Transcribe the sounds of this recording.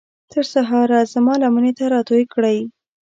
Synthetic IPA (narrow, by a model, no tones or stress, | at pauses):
t̪əɾsaɦɑɾazamɑlamənet̪aɾɑt̪ojkɽəj